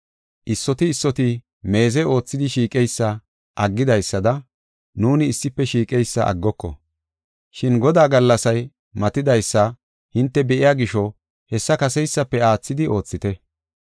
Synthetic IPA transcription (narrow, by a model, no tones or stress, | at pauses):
ʔɪsːɔt̪ɪːsːɔt̪ɪ | me̞ːzɛo̞ːt͡sːɪd̪ɪʃiːkʼɛjsːɐ | ʔɐɡːɪd̪ɐjsːɐd̪ɐ | nuːnɪːsːɪpːɛʃiːkʼɛjsːɐ̰ʔɐ̰ɡːɔkːɔ̰ | ʃɪnɡɔd̪aːɡɐlːɐsɐj | mɐt̪ɪd̪ɐjsːɐ | hɪnt̪ːɛbɛʔɪjaːɡɪʃɔ | hɛsːɐkɐsɛjsːɐpːɛaːt͡sːɪd̪ɪʔo̞ːt͡sːɪt̪ɛ